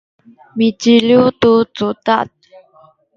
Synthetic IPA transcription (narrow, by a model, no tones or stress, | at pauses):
mit͡ʃilut̪ut͡sut̪aʔt̪̚